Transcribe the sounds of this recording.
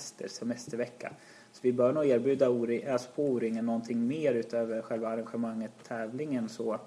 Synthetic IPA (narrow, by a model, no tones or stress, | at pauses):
st̪ʰə̰ɾsɛmɛst̪əɾvɛkʰːa̰ | sɔvɪbœːɳuːeːɾbjʉ̟ːd̪auːɾɪøːspʰɔuːɾɪŋːənːɔnt̪ʰɪŋːmeːɾʉ̟ːt̪øːvəɾɧɛlvaːɾanɧɛmaŋːət̪t̪ʰːɛːvlɪŋənsɔ